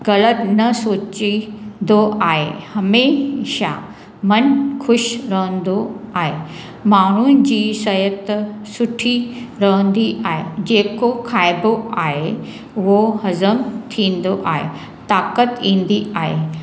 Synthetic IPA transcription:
ɡɐlət̪nəsoːt͡ɕind̪oaːɦehɐmeɕa̰ | mənkʰʊɕɾəɦə̃nd̪oaɦe | maːɽ̤̃und͡ʑiːsɐjət̪əsʊʈʰiɾəɦə̃nd̪iʔaːɦḛd͡ʑeːkokʰajboaːɦe | ʋohɐzəmt̪ʰĩːnd̪oʔaɦḛ | t̪aːkət̪ĩːnd̪iaːɦḛ

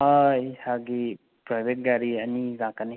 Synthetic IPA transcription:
ajhaɡi | pɾajbʱet̚ɡaɾianizãkani

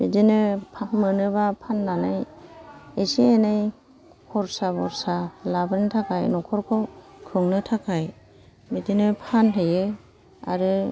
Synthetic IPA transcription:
bidinɯpʰamɯnɯbapʰanːanaj | esienaj | kʰɔɾsabɔɾsalabɯntʰakʰajnɔkʰɔɾkʰɔkʰɯŋnɯtʰakʰaj | midinɯpʰanɦɯjɯ | a̰ɾɯ

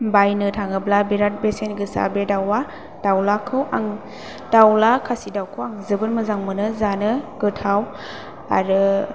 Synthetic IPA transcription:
bajnɯtʰaŋɯblabiɾat̚besenɡɯsa̰bedawa | d̥awlakʰɯwaŋ | d̥awlakʰasidawkʰɯwaŋzɯbɯɾmɯzaŋmɯnɯzanɯɡɯtʰaw | a̰ɾɯ

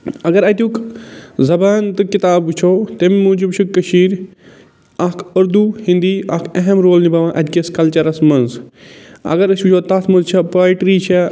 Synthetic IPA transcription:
ɐɡɐɾaːjt̪ʲukzɐbaːnt̪ɨkɪt̪aːbt͡ʃʰot̪emimũːd͡ʒubt͡ʃʰukːɐʃiːɾ | aːkʰɐɾd̪uhĩnd̪iːa̰ːkʰɐɦɐmɾoːlnibɐʋãːʔɐd̪keskɐlt͡ʃɐɾɐsmɐnz | ɐ̰ɡɐɾɐsut͡ʃʰoːt̪aːsmɐnzt͡ʃʰɐpɾaːjʈɾit͡ʃʰɛ

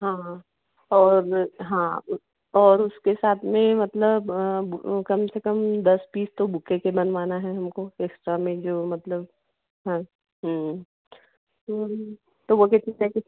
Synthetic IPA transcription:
ɦãː | ɔːɾɦãː | ɔːɾʊskesaːt̪ʰmẽmɐt̪ləb | kɐmsekɐmd̪ɐspiːst̪obʊkekebɐnʋaːnaɦɛɦɐmkoeksʈɾamẽd͡ʒoːmɐt̪ləb̚ | ɦã | ɦ | t̪oː | t̪oʋokɪt̪nit̪ɛki

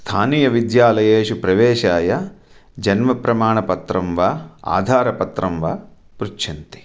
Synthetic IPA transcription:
st̪ʰaːniːjɐʋid̪jaːlɐjeːʃupɾɐʋɛːʃaːjɐ | d͡ʒɐnmɐpɾɐmaːɳɐpɐt̪ɾɐmʋaːa̰ːd̪ʱaːɾɐpɐt̪ɾɐmʋaː | pɾut͡ʃʰɐnt̪i̥

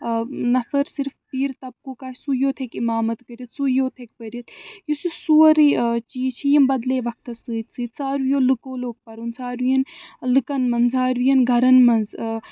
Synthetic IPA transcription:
nɐfɐɾsiɾfpiːɾt̪ɐp̚koːkaːt͡ʃsujoːt̪ʰekimaːmɐt̪kəɾʲit̪sujoːt̪ʰek̚pəɾʲit̪jusisuːɐɾit͡ʃiːt͡ʃʰijɐmbɐd̪leːʋɐk̚ʰt̪ɐsɨːt̪sɨːt̪saːɾujoːlɨkoːloːk̚pɐɾunsaːɾujɐnlɨkɐnmɐnzaːɾujɐnɡʱɐɾɐnmɐnz

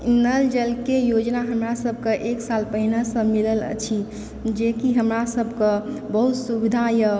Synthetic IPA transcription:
nəld͡ʒəlkejod͡ʒnaɦəmɾasəbʱkəʔeksalpəɦinasə̃milələ̰t͡ʃʰi | d͡ʒekiɦəmɾasəbʱkə̃bəɦut̪subid̪ʱajə

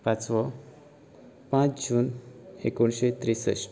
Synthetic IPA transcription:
pãt͡sʋɔ | pãt͡sd͡ʑuːnekoɳɕet̪ɾisə̰ɕ

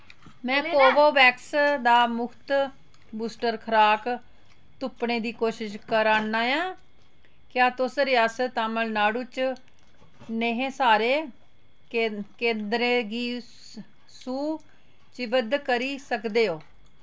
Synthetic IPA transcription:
mɛ̃ːkoːboːbɛːksd̪aːmʊkʰt̪ | buːsʈəɾkʰəɾaːk | t̪ʊpɳeːd̪iːkoːʃɪʃkəɾaːnːaːjãː | kjaːt̪ʊsɾɪaːsət̪aːməlnaːɽuːt͡ʃ | neɦẽːsaːɾeː | kẽːnd̪ɾeːɡiː | suː | t͡ʃɪbəd̪kəɾiːsəkd̪eːoː

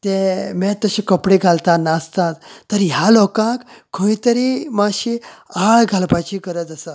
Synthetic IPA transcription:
t̪emɛt̪ːəɕĩkəpɽeɡʱalt̪anast̪at̪ːəɾɦjalɔkãkkʰːə̃ĩt̪əɾimaɕiaɭɡʱalpat͡ɕikəɾət̪əsa

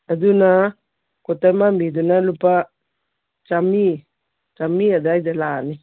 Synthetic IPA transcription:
ad̪una | kɔt̪amambid̪unalupa | t͡ʃami | t͡ʃamiad̪aid̪alani

